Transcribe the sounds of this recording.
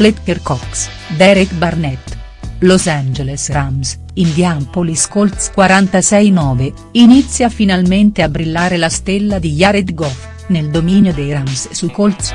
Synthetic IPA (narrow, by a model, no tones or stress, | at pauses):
let̪peɾkɔks | d̪ɛɾikbarnɛt̪ː | losand͡ʒelesɾams | ind̪jampoliskolt̪skwaɾant̪asɛjnɔːve | init̪sːjafinalment̪eabɾilːaːɾelast̪elːad̪ijaɾet̪ɡɔf | neld̪ominjod̪ejɾamsːukolt̪s